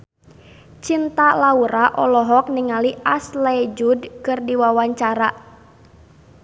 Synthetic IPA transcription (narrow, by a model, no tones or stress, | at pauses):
t͡ʃint̪alauɾaʔɔlɔɦɔk̚niŋaliʔaslɛd͡ʒudkɨrdiwawaɲt͡ʃaɾa